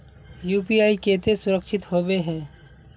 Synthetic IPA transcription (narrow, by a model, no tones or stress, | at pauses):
juːpiaːikeːt̪esʊɾəkʃɪt̪hoːbeɦɛ̃ː